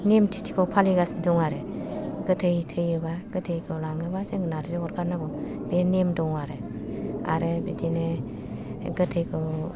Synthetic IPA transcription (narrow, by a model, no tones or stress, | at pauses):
nemtʰi̥tʰi̥kʰɔwpʰaliɡasndɔŋaɾɯɡɯtʰɯjtʰɯjɯbaɡ̥ɯtʰɯjkʰɔlaŋɯbazeŋɡɯnaɾzeɔɾɡʰaɾnaɡɔbenemdɔŋaɾɯ | a̰ɾɯbidine | ɡɯtʰɯjkʰɯ